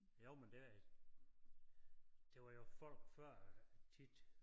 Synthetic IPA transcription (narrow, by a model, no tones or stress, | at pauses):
joʊ̰mend̥e̝æ̥ | d̥e̝ʋɑ̈jo̝fɒ̽l̰ɡ̥fɶɐ̰t͡sʰid̥